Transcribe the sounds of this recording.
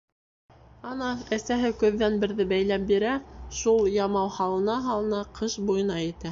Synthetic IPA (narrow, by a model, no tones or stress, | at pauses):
ɑnɑæsæɦɘkɵ̆ðːænbɘ̆ɾðɘbæjlæpbiɾæʃulˠjɑmɑwhɑlˠɤ̆nɑɦɑlˠɤ̆nɑqʰɤʃbujɤ̆nɑit̪æ